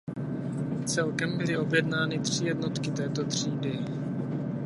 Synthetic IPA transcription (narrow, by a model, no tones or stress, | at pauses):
t͡sɛlkɛmbɪlɪo̞bjɛdnaːnɪt̪r̝̥ɪjɛdnot̪kɪt̪ɛːt̪ot̪r̝̥iːdɪ